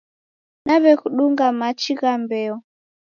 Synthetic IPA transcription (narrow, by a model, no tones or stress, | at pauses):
naβɛkuɗuŋɡamat͡ʃiɣambɛɔ